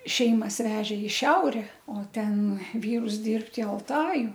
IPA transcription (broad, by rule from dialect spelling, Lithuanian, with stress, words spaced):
ˈʃʲɛɪmɐs ˈʋʲæːʒʲeː ɪ ˈʃʲɛʊrʲɛ oː ˈtʲɛn ˈʋʲiːrʊs ˈdʲɪrpt ɪ ɐlˠˈtɑːjʊ